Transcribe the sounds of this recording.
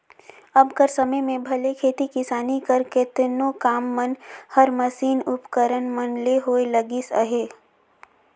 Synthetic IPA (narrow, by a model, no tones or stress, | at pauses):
ɐbkəɾsɐməjmẽbʱɐlekʰeːt̪ikɪsaːnikəɾkɪt̪nokaːmːənhəɾməsiːnʊpkəɾənmənleɦoːeləɡisə̰ɦeː